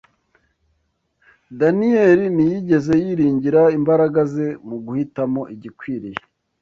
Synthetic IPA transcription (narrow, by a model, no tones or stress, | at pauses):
danieɾinijiɟe̞ze̞jiɾiːɲɟiɾaimbaɾaɡaze̞muɡuhitamo̞ʔiɟikwiːɾije